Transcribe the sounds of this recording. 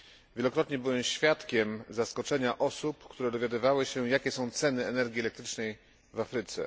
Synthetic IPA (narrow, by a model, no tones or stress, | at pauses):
vʲjɛlɔkɾɔt̪̚ɲɛbɘwɛmɕfʲjat̪kʲɛmzaskɔt͡ʂɛɲaʔɔsupkt̪uɾɛd̪ɔvʲjad̪ɘvawɘɕɛjakʲɛsɔ̃w̃t̪sɛn̪ɘɛnɛɾɡʲiɛlɛk̚t̪ɾɘt͡ʂnɛj | vafɾɘt̪sɛ̰